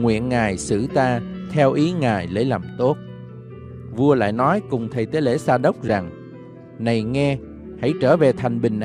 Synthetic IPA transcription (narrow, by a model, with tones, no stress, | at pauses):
ŋwḭ˧˨ənŋaː˨˩jsɨ̰˧˩t̪aː˧t̪ʰɛ˧wʔi˨˦ŋaː˨˩jlə˨˦jla˨˩mt̪o˦˥t̚ | vu˧əla̰ː˧˨jnɔ˨˦jkʊ˨˩ŋ͡mt̪ʰə˨˩jt̪e˨˦le˧˩saː˧ɗə˦˥wk͡p̚za˨˩ŋ | na˨˩jŋɛ˧ | ha̰˧˥˩jt͡ɕəː˧˩ve˨˩t̪ʰa˨˩jŋ̟ɓï˨˩ŋ̟ʔ